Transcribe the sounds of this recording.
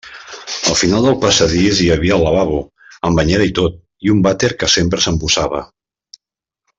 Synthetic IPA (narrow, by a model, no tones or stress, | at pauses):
əlˠfinalˠd̪əlˠpəsəðiziəβiələβaβu | əmbəɲɛɾəit̪ot̪̚ | iumbat̪eɾkəsempɾəsəmpuzaβə̰